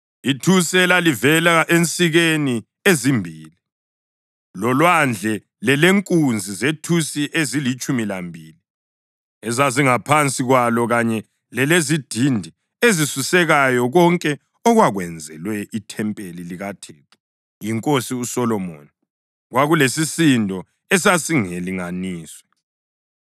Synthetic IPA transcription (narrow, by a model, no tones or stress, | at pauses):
itʰusɛlalivɛlaʔent͡sʼiɣeni | ezimbʱiːli | lɔlwand͡ɮʱɛ | lɛleŋkʼund͡zʱizetʰusiʔezilit͡ʃʼumilambʱiːli | ɛzaziŋapʰant͡sʼiɣwalɔɣaɲɛ | lɛlezid̥ʱindʱi | ezisusɛɣajɔɣɔŋkʼɛ | ɔɣwaɣwɛnd͡zʱɛ̰lwɛʔitʰɛmpʼeliliɣatʰɛːtʰɛ̥ | jiŋkʼosiusɔlɔmo̰ːni | ɣwaɣulesisindʱɔ | ɛs̬asiŋeliŋaniːswɛ